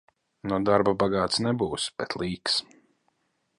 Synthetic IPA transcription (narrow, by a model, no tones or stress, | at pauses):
nɔd̪aɾbabaɡaːt̪snɛbuːsb̥ɛt̪ʰlˠiːks